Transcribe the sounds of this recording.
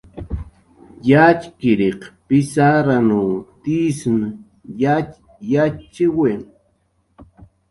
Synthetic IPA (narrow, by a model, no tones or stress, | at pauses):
jat͡ʃkɪɾeqpɪsaɾanuːt̪isn | ja | jat͡ʃɪwen